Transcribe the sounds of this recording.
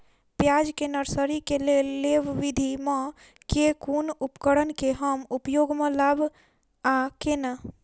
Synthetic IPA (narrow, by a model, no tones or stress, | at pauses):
pjad͡ʒkenəɾsəɾikeleleʋʋid̪ʱimẽ | kekunupkəɽənkeɦəmupjoɡmẽlabʱ | akena